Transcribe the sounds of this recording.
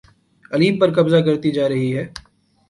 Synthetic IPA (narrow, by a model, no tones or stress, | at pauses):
ɐliːpɐɾkɐbzak̬ɐɾt̪id͡ʒaːɾɐɦiɦɛː